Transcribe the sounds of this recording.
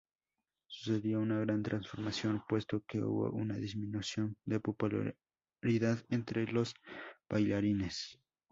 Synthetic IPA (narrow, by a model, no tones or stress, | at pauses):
su̥se̞ðjounaɣɾant̪ɾansfo̞ɾmasjo̞npwe̞st̪o̞keṵβo̰ʔṵnaðizmĩnusjo̞nd̪e̞popul̰ | ɾiðaðent̪ɾe̞lo̞sb̥ajlaɾine̞s